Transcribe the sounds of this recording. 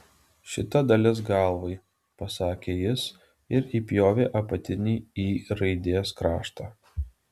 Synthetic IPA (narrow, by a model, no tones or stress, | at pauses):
ʃʲɪt̪ɐd̪ɐlʲɪsɡɑˑlˠʋɐɪ | pɐsɑːkʲeːjɪs | ɪɾiːpʲjoːʋʲeːʔɐpɐt̪ʲɪnʲiːiːɾɐɪd̪ʲeːskɾɑːʃt̪ɑː